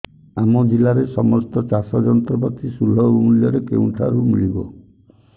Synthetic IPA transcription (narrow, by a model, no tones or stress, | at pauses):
amɔd͡ʒilaɾesɔmɔst̪ɔt͡ʃasɔd͡ʒɔnɔt̪ɾɔbat̪ʰisul̤ɔbumuljɔɾekḛũʈʰa̰ɾumiɭibɔ̰